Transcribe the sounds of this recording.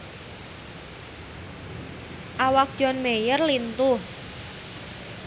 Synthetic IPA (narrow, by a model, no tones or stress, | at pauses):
ʔawak̚d̥ʒ̥ɔ̤nmejərlint̪uh